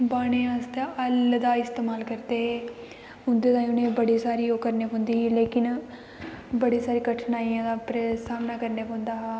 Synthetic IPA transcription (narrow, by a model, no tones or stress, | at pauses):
baːɽ̃eːast̪eəld̪aːɪst̪eːmaːlkəɾd̪eːɦe | ʊnd̪eːt̪aːĩʊnẽːbəɽiːsaːɾiːoːkəɾneːpõːnd̪iːɦɛːleːkɪn | bəɽiːsaːɾiːɡəʈʰnaːiːãːd̪aːpɾesaːmnaːkəɾneːpõːnd̪aː